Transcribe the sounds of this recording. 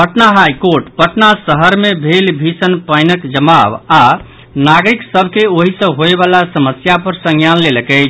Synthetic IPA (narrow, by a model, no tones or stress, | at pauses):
pəʈnaɦajkoɾʈpəʈnasəɦəɾmebʱelbʱisənpəjnəkd͡ʒəmaba | naɡɾiksəbʱkeoɦisə̃ɦoebalasəməsjapəɾsə̃ŋɡjanleləkɛt͡ʃʰ